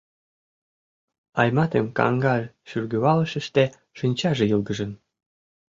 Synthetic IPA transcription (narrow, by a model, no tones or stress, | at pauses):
ɑjmɑt̪emkɑ̰ŋɡɑlʲʃyrɡøβɑlə̆ʃə̆ʃt̪ĕ | ʃənʲt͡ɕɑʒĕjəlˠɡə̆ʒə̆n